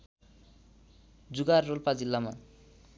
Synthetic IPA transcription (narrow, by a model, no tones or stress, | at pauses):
d͡zuɡarːolpad͡zilːama